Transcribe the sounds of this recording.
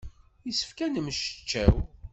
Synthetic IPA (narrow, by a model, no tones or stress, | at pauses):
jisə̥fkænəmʃə̥t͡ʃːæ̰w